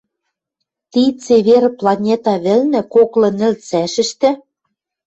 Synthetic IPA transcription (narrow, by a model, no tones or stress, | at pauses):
t̪it͡seβerplɑnʲet̪ɑβɘ̆lnɘ̆koklɤ̆nɘ̆lt͡sæʃɘ̆ʃt̪ɘ̆